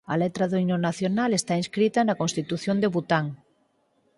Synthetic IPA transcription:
a̰let̪ɾaðoinonaθjonalest̪ainskɾit̪anakonst̪it̪uθjond̪eβut̪aŋ

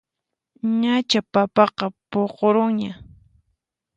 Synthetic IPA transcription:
ɲat͡ʃapapɑqɑpoqoɾʊŋɲa

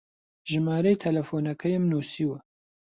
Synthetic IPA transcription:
ʒɨmaːɾɐjt̪ʰɐlɐfoːnɐkʰɐjmnoːsiːwɐ

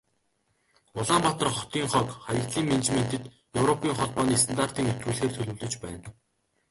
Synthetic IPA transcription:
ʊɮaːmpɔt̪ɞ̆rχɔt̪iːŋχɔkχajə̆kt̪ɮiːŋment͡ɕment̪ɘ̆t̪ | jɵwɾɔpiːŋχɔɮpɔːniːs̬t̪ʰant̪ar̥t̪iːŋɵt̪ɡuːɮxeːrt̪ʰɵɮɵ̆wɮɵ̆t͡ɕpæːn

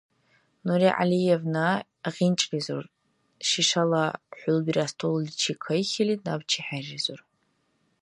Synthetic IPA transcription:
nuɾiʕa̰lijevna | ʁʲint͡ʃʼɡʲizṵr | ʃiʂalaħʷʊlbrastʰollit͡ʃʰikʰəjxʲilinabt͡ʃʰiħarizor

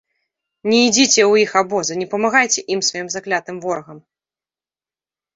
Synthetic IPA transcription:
nʲɛid͡zʲit͡sʲɛwjixabɔzɐnʲɛpɐmaɣajt͡sʲɛʔimsvajimzaklʲat̪ɨmvɔɾɐɣɐm

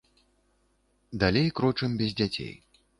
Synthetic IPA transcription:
d̪alʲejkɾɔt͡ʂɨmʲbʲɛzʲd͡zʲat͡sʲḛj

